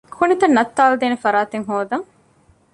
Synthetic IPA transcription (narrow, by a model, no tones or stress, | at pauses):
kʰunit̪ɐnːɐt̪ːaːld̪eːnefɐɾaːt̪eŋɦoːd̪ɐŋ